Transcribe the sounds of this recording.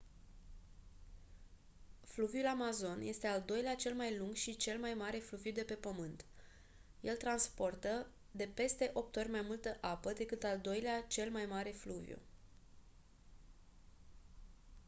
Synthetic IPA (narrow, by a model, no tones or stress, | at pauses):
fluvjulamazo̞nje̞st̪e̞ald̪o̞jleat͡ʃe̞lmajluŋɡʃit͡ʃe̞lmajmaɾe̞fluvjud̪e̞pe̞pəmɨnt̪ | je̞lt̪ɾanspo̞rt̪ə | d̪e̞pe̞st̪e̞ʔo̞p̚t̪o̞rʲmajmult̪əʔapəd̪e̞kɨt̪ald̪o̞jleat͡ʃe̞lmajmaɾe̞fluvjṵ